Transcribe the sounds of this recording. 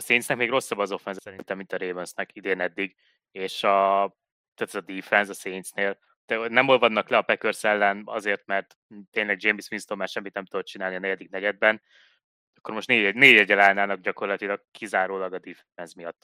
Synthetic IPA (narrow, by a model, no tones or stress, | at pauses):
ɒseːnsnɛkmeːɡro̞sːɒbɒzo̞fɛnzɛsɛɾint̪ɛmːint̪ɒɾeːmønsnɛkid̪eːnɛd̪ːiɡ | eːʃɒ | t̪aːt̪ɛzɒd̪iːfɛnzɒseːnsneːl | t̪ɛnɛmolvɒnːɒklɛɒpɛkørsɛlːɛnɒ̰zeːrt̪mɛrt̪ | t̪ːeːnlɛɡ̚d͡ʒeːmisminst̪omaːʃɛmːit̪nɛmt̪ud̪ot̪t͡ʃinaːlniɒnɛɟɛd̪ik̚nɛɟɛd̪̚bɛn | ɒkːo̞rmo̞ʃt̪neːɟɛneːɟɛɟɛlaːnaːlnɒɡ̚ɟɒko̞rlɒt̪ilɒɡkizaːɾoːlɒɡɒd̪iːf | ɛnsmijɒt̪ː